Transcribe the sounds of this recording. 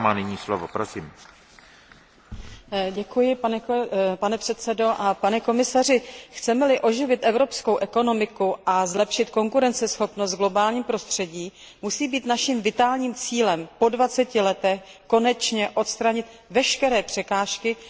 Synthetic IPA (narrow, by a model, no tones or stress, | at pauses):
maːnɪɲiːslovo̰pɾosiːm | ɟɛkujɪ | panɛpr̝̥ɛt̪sɛdo̞ʔapanɛko̞mɪsar̝ɪxt͡sɛmɛlɪʔo̞ʒɪvɪt̪ʔɛvɾo̞psko̞wʔɛko̞no̞mɪkuʔazlɛpʃɪt̪ko̞ŋkuɾɛnt͡sɛsxo̞pnos̬t̪ɡlo̞baːlɲiːmpɾo̞st̪r̝̥ɛɟiː | musiːbiːt̪naʃimvɪt̪aːlɲiːmt͡siːlɛmpo̞dvat͡sɛcɪlɛt̪ɛxko̞nɛt͡ʃɲɛʔo̞t̪st̪ɾaɲɪt̪vɛʃkɛɾɛːpr̝̥ɛkaːʃkɪ